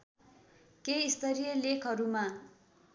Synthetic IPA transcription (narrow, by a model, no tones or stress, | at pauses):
keist̪ʌɾijʌlekʰʌɾuma